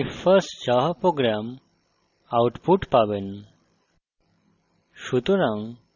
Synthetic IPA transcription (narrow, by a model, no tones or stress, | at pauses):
ifəɾsʈd͡ʑaɦpɾoɡɾam | awʈpuʈpaʋen | ɕut̪ɾãŋ